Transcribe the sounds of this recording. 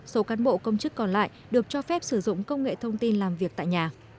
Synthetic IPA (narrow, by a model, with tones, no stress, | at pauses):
so˨˦kaː˨˦nɓo̰˧˨kə˧wŋ͡mt͡ɕɨ˦˥kːɔ˨˩nla̰ː˧˨jɗɨ˨˩ək̚t͡ɕɔ˧fɛ˦˥p̚sɨ˧˩zʊ̰˧˨ŋ͡mkə˧wŋ͡mŋḛ˧˨t̪ʰə˧wŋ͡mt̪i˧nlaː˨˩mvi˨˩ək̚t̪a̰ː˧˨ɲaː˨˩